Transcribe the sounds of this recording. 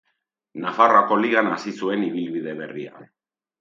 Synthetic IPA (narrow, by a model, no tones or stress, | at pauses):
nafarako̞liɣanasisue̞niβ̞ilβið̞e̞β̞e̞ria̰